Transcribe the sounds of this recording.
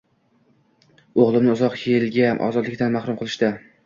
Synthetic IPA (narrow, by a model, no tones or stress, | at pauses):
oʁlˠɪmɪʊzɒqjʰelɡʲanʔɒ̰zɒd̪lɪkʲt̪anmahɾʊmqʰɨlˠɪʃd̪a